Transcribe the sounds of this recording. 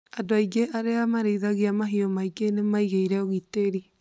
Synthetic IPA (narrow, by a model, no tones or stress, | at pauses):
adoaiɡeʔaɾeamaɾeiðaɣeamaɦiɔmaiɡenemaiɣeiɾɛoɣiteɾi